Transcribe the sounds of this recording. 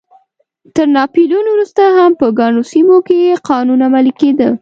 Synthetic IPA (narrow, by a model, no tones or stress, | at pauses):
t̪əɾnɑpilunowɾust̪aɦampəɡɑnosimokejeqɑnunamaliked̪ə